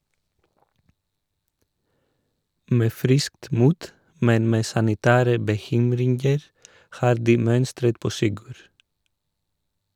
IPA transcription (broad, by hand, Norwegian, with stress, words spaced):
ˈmeː ˈfɾɪskt ˈmuːt ˈmɛn ˈmeː sɑnɪˈtæːɾə bəˈçʏmɾɪŋɡəɾ ˈhɑːɾ ˈdiː ˈmœnstɾət ˈpoː ˈsɪɡʉɾ